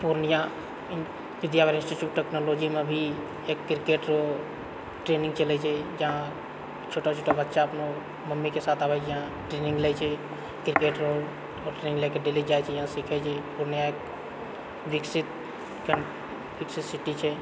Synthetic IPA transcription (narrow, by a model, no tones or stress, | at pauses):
puɾnija | ʋid̪jabaɾĩnsʈiʈjuːʈːeknolod͡ʒimebʱi | ekːiɾkeʈɾo | ʈɾenĩŋɡt͡ʃəlɛt͡ʃʰɛd͡ʒəɦã | t͡ʃʰoʈat͡ʃʰoʈabətːʃaəpno | məmːikesat̪ʰabɛd͡ʒjəɦã | ʈɾeniŋɡlɛt͡ʃʰɛ | kɾkeʈɾol | ɔʈɾeniŋɡlɛkeɖelid͡ʒajt͡ʃʰɛjaɦãsikʰɛt͡ʃʰɛpuɾnijaek | ʋiksit̪ | kə | ʋiksit̪siʈːit͡ʃʰɛ